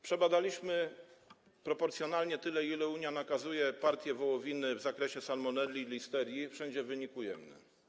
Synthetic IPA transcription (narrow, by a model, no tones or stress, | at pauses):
pʂɛbad̪alʲiɕmɘ | pɾɔpɔɾt̪sʲjɔnalɲɛt̪ɘlɛilɛuɲjanakazujɛpaɾt̪ʲjɛvɔwɔvʲinɘvzakɾɛɕɛsalmɔnɛlʲilʲist̪ɛɾʲjifʂɛɲd͡ʑɛvɘɲikujɛ̰mnɛ̰